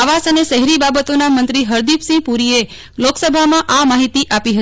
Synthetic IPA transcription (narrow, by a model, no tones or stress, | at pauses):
aʋasəneʃəɦɛɾibabət̪onamənt̪ɾiɦəɾd̪ipsĩpuɾie | loksəbʱamãʔamaɦit̪iʔapiɦət